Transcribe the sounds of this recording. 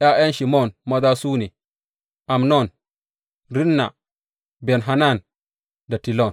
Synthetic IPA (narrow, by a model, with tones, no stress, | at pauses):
ʔa˦ʔe˦nʃi˨mo˦˨nma˦da˦suː˦ni˨ | a˨mno˦˨n | ɾi˦nːa̰˨ | be˨nɦa˨na˦˨n | da˨ti˨lo˦˨n